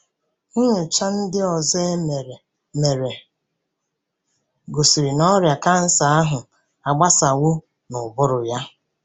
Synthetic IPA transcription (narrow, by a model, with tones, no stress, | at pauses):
ŋʊ˦ŋʊ˨t͡ʃa˦n̩˦dɪ˦ɔ˨ze˦˨ | me˨ɾe˨ | ɡo˨si˨ɾi˨nɔ˦ɾja˨ka˦n̩˦sa˨a˦ɦʊ˨ | a˨ɡ͡ba˦sa˨wʊ˦ | nʊ˨bʊ˦ɾʊ˨ja˦